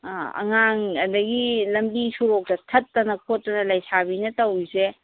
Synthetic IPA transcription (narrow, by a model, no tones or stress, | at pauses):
ɐ̰ŋaŋɐdɐɡilɐmbisuɾok̚tɐtʰɐtːɐnɐkʰotːɐnɐlɐjsabinɐtɐwise